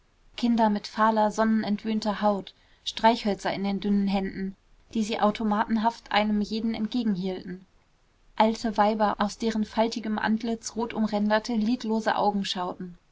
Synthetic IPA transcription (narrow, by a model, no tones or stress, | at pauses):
kʰɪndɐmɪtfaːlɐzɔnənɛntv̥øːntɐhaʊt | ʃtʁ̥aɪçhœlt͡sɐɪndeːndʏnənɦɛndn̩ | d̥iːziːʔaʊtʰomaːtn̩ɦaftʔa̰ɪnəmjeːdn̩ɛ̰nt̚ɡ̥eːɡŋ̩hiːltn̩ | ʔaltʰəvaɪbɐʔaʊsd̥eːʁənfaltɪɡəmʔa̰ntlɪt͡sʁoːtʔʊmʁɛndɐtʰəliːtloːzə̰ʔa̰ʊɡŋ̩ʃaʊtn̩